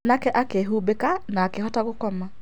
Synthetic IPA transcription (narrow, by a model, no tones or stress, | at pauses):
nakɛʔakeɦubekanaːkehɔtaɣokɔma